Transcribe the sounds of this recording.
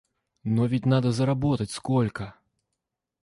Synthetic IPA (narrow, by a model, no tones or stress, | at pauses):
nɔvʲit͡sʲnad̪ɐzɐɾabɔt̪ɐt͡sʲskɔlʲkɐ